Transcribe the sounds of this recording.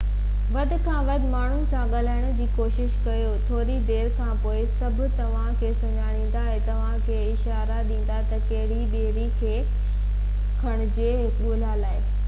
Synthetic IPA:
ʋɐd̪ʱɪ̆kʰãːʋɐd̪ʱmaːɳ̤ʊnɪ̆sãɠɐl̤aːɪɽ̃ʊ̆d͡ʑiːkoːʃɪʃkɐjot̪ʰoːɾid̪eːɾkʰãːpoːɪsɐbʱʊ̆t̪ɐʋ̤ãkʰeːsʊɲaːɽ̃ĩːn̆d̪aɦẽt̪ɐʋ̤ãkʰeːɪʃaːɾaɗĩːn̆d̪at̪ɐkɐɦɪɽiɓeɦɾikʰeː | kʰɐɽ̃ʊ̆d͡ʑeːɦɪkɓuɦlalaːɪ

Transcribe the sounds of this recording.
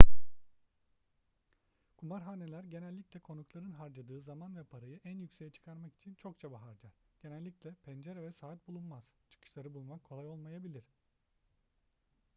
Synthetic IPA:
kʰumaɾɦaːnelʲæɾɟe̞nælʲːiclʲɛkʰo̞nuklˠaɾɯnɦaɾd͡ʒad̪ɯːzamanvɛpʰaɾajɯʔænjycsejɛt͡ʃʰɯ̥kʰaɾmaki̥t͡ʃʰint͡ʃʰo̞k̚t͡ʃʰabaɦaɾd͡ʒaɾ̥ɟ̥e̞nælʲːiclʲɛpʰɛnd͡ʒeɾɛvɛsaːt̪̚bulˠunmaz̥t͡ʃʰɯ̥kʰɯ̥ʃlˠaɾɯbulˠmakʰːolˠajo̞lˠmajabilʲiɾ

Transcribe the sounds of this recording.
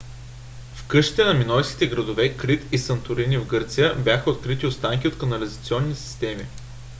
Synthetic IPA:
fkɤʃi̥t̪ɛnɐminɔjskʲi̥t̪ɛɡɾɐd̪ovɛkɾit̪isɐnt̪ʊɾinivɡɤɾt̪sijəbʲjaxəot̪kɾit̪iot̪st̪aŋkʲiot̪kɐnɐlizɐt̪siɔnːisi̥st̪ɛmi

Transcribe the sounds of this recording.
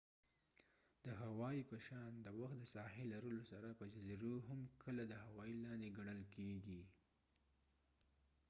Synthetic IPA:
d̪̥əɦawɑjipəʃɑnd̪əwaxt̪̚d̪əsɑhelaɾəlosaɾapəzaziɾoɦamkʰəlad̪əhawɑilɑnd̪eɡaɳ̃əlkʰeɡi

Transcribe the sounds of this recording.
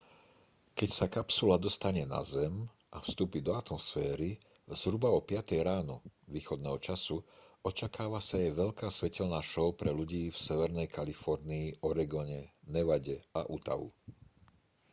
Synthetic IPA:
kɛcsakapsulad̪ɔst̪aɲɛna̰zɛm | ʔafst̪uːpid̪ɔat̪mɔsfɛːɾi | z̥ɦɾubaɔpɪat̪ɛjɾaːnɔʋiːxɔd̪nɛːɦɔt͡ʃasuɔt͡ʃakaːʋasaɛʋɛʎkaːsʋɛcɛlnaːʃɔʊpɾɛluɟiːfsɛʋɛɾnɛjkalifɔɾniːʔɔɾɛɡɔɲɛnɛʋaɟɛaʔut̪a̰ʋṵ

